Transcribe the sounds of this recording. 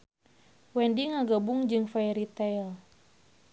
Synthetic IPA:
wɛndiŋaɡabuŋd͡ʒɨŋfaɾit̪ɛl

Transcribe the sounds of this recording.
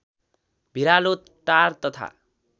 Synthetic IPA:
bʱiɾalot̪ | ʈaɾt̪ʌt̪ʰa̰

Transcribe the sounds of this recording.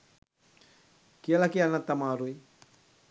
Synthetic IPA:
kialakianat̪amaɾui

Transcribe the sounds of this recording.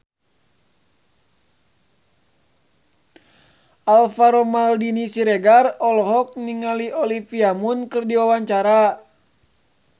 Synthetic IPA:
alfaɾɔmaldinisiɾɛɡarɔlɔɦɔk̚niŋaliʔɔlifiamunkɨrdiwawaɲt͡ʃaɾa

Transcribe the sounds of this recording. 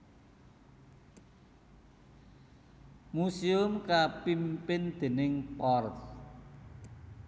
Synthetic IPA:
musiʊmkapimpɪnd̪̥e̤nɪŋpɔrt

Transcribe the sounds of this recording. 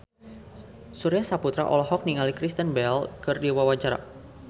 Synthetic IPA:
suɾiasaput̪ɾa̰ʔɔ̰lɔhɔk̚niŋalikɾist̪ənbɛlkɨrdiwawaɲt͡ʃaɾa̰

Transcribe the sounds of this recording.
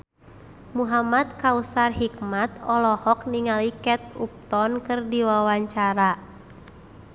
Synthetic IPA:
muɦamat̪̚kausarɦikmat̪ɔlɔhɔk̚niŋalikɛt̪̚up̚t̪ɔnkɨrdiwawaɲt͡ʃaɾa

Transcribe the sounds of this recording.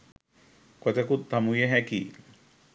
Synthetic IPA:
kɔt̪ekut̪̚d̪ʱamujeɦɛki

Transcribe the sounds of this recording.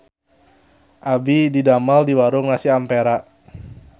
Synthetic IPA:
ʔabididamaldiwaɾʊŋnasiampeɾaʔ

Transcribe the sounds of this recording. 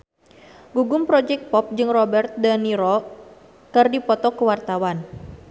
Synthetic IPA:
ɡuɡʊmpɾɔd͡ʒɛk̚t̪̚pɔp̚d͡ʒɨŋrɔbɛrt̪̚daniɾɔ | kɨrdipɔt̪ɔkəwart̪awan

